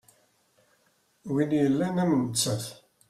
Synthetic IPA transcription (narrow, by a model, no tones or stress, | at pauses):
winjəlːænæmənət͡sːəθ